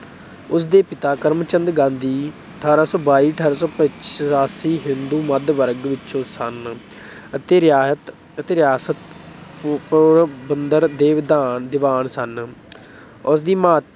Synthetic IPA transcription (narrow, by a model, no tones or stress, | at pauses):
ʊs̬d̪eːpɪt̪aːkəɾmt͡ʃənd̪ɡãːnd̪iːəʈʰaːɾãːsɔ̃ːbaːiːəʈʰaːɾãːsɔːpət͡ʃsaːsiːɦɪnd̪uːməd̪ʋəɾɡʋɪt͡ʃõːsən | ət̪eːɾjaːsət̪ | ət̪eːɾɪjaːsət̪ | pːɾbənd̪əɾd̪eːʋɪd̪aːnd̪ɪʋaːɳsən | ʊsd̪iːmaː